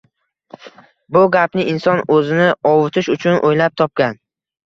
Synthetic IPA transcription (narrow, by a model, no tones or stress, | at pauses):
bʊɡʲapnɪʔɪnsɒnɵzɪnɪɒwʊt̪ʰɪʃʊt͡ʃʰʊnʔojlap̚t̪ʰɒp̚kʲan